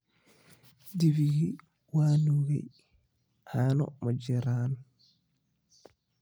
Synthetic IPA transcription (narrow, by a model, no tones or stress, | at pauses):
diviɡi | waːnuɡɛ̰ | haːnɔ̰mɔd͡ʒɛɾan